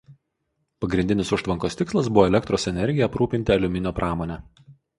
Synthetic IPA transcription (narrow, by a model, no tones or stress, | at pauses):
pɐɡɾʲɪnʲd̪ʲɪnʲɪsʊʃt̪ʋɐŋkoːst̪ʲɪkslˠɐs̬bʊʋoːɛlʲɛkt̪ɾoːsɛnʲɛɾʲɡʲɪjɛɐpɾuːpʲɪnʲt̪ʲɪɐlʲʊmʲɪnʲoːpɾʔɑːmoːnʲɛ